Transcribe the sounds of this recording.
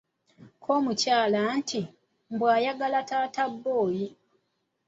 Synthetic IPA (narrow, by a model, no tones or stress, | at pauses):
kʰoːmucaːlantʰi | mbwaːjaɡalataːtabːo̞ːji